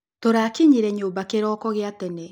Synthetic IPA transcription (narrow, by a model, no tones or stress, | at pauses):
toɾakiɲiɾɛɲoːmbakeɾɔːkɔɣeatɛnɛ